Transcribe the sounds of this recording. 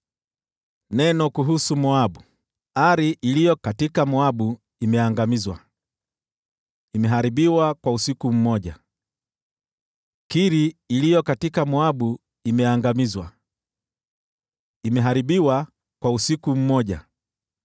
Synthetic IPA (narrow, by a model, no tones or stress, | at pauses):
nɛnɔkuɦusumɔaɓu | aɾiʔilijɔkatikamɔaɓu | imɛaŋɡamizwa | imɛɦaɾiɓiwakwausikum̩mɔʄa | kiɾiːlijɔkatikamɔaɓu | imɛaŋɡamizwa | imɛɦaɾiɓiwa | kwausikum̩mɔʄa